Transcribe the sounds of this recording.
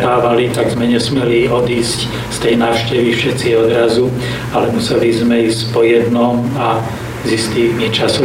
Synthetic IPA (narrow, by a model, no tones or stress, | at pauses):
aːʋalit̪aɡzmɛɲɛsmɪɛliɔd̪iːsc | st̪ɛjnaːʊʃcɛʋifʃɛt̪t͡siɔd̪ɾazu | alɛmusɛlizmɛiːscpɔjɛd̪nɔma | zist̪iːɲit͡ʃasɔ